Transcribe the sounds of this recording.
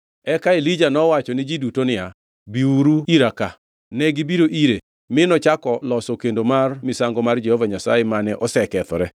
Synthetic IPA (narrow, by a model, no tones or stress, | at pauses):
ɛkaelid͡ʒanɔwat͡ʃɔnɪd͡ʒidutonɪja | biuɾuiɾaka | nɛɡɪbiɾoʔiɾe | mɪnɔt͡ʃakɔlɔsɔkendomarmɪsaŋɡɔmard͡ʒɛhɔvaɲasa̰jemanɛʔɔsɛkɛt̪ɔɾɛ